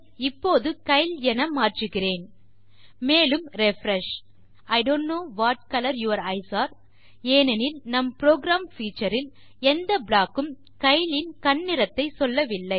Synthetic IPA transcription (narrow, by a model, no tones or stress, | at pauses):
ɪpːoːðɯkɐɪlɛnɐmaːʈrɯɣɪɾeːn | meːlɯmɾɛfɾɛʂ | ɐɪɖoːɳʈnoːʋaːʈ̚kɐlɐɾjuʋɐɾɐɪsaːɾ | eːnɛnɪlnɐmpɾoːɡɾaːmfiːt͡ʃːɐɾɪl | ɛnd̪ɐblaːkɯm | kɐɪlɪnkɐnːɪɾɐt̪ːɐɪsɔlːɐʋɪlːɐɪ